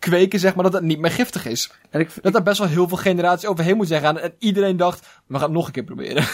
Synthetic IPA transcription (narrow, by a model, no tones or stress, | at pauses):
kʋeːkəzɛxmaːɹdɔtətnit̚mɪːrχɪftəxɪs | d̥ɔtdabɛstʋɔlˠɦɪːlˠvɪːlˠxenəraːt͡ssisoːwvərɦeːnmutzɛɣaːnɛnidəɾendɔxt | ʋəxaːnnoxənkɪːpro̰bɪ̰əɾə